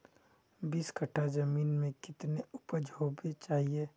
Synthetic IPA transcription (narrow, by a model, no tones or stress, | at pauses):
biːskʰəʈʰad͡ʒɐmiːnmẽkɪt̪neʊpəd͡ʒʱoːbet͡ʃaːɦieː